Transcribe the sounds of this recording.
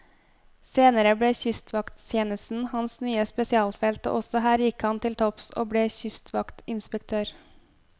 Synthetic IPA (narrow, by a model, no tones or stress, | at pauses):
seːnəɾəbɽeːçʏst̪ʰʋɑkt̪ʰjeːnəst̪n̩hɑnsnyːəspɛsɪɑːlfɛlt̪o̰ːʔɔsɔhæːɾjɪkhɑnt̪ʰɪlt̪ʰɔpso̰ːbɽeːçʏst̪ʰʋɑkt̪ɪnspɛk̚t̪ʰøːɾ